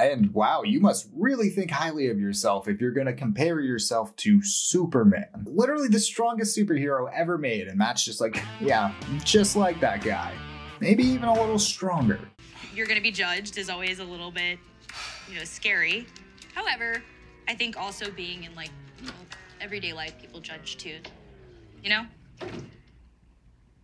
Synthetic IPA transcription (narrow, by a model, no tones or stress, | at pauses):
ɨ̃nwaʊjɨmʌst̚ɹɪlˠiθɪ̃ŋkhaɪlˠiʌvjə˞sɛlˠfɨfjə˞ɡʌnɨkʰm̩pʰɛɹjə˞sɛlˠftʰɨsupə˞mæ̰̃nlɪɾə˞l̩ˠiðɨstɹ̥ɔ̃ŋɡɨstsʉpə˞hiɹoʊʔɛvə˞meɪɾɨ̃nmætsd̥ʒ̥ʌst̚ˡlaɪkjæ̥d͡ʒʌstˡlaɪk̚ðɨt̚ɡ̥a̰ɪmeɪbiivə̃nəlɪɾl̩ˠstɹ̥ɔ̃ŋɡə̰˞ | jə˞ɡʌnɨbid͡ʒʌd͡ʒdɨzɔlˠwizəlɪɾl̩ˠbɪt̚ | jɨnoʊskɛɹi | haʊɛvə˞ | aɪθɪ̃ŋkɔlˠsoʊbiɪ̃ŋɨ̃nlaɪk̚ | ɛvɹideɪlaɪfpʰipl̩ˠd͡ʒʌ̥d͡ʒ̥tʰʉ | jɨñoʊ